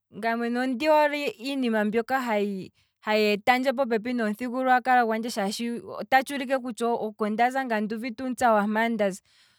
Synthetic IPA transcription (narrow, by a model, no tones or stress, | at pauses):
ŋɡamwɛnɔndiɔɾiːnimambjɔkaɦai | hajɛtand͡ʒɛp̬ɔp̬ɛp̬inɔn̩θikuɾuakaɾakwand͡ʒɛʃaʃḭtat͡ʃuɾikɛk̬ut͡ʃɔɔkɔndazaŋɡanduvitunt͡sawamandaz